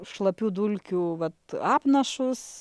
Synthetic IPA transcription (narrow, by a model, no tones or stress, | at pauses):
ʃlˠɐpʲuːd̪ulʲkʲuʋɐt̪ɑːpnɐʃʊs